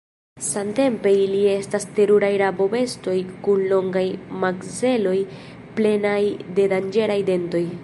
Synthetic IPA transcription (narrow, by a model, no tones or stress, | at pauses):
sante̞mpe̞ilie̞staste̞ɾuɾajɾabo̞be̞sto̞jkunlo̞ŋɡajmakze̞lo̞j | ple̞najde̞dand͡ʒe̞ɾajde̞nto̞j